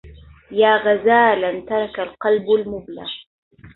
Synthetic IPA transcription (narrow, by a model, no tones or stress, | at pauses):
jaːɣazaːlant̪ɑɾˤɑkalqɑlbalmʊbla̰ɣ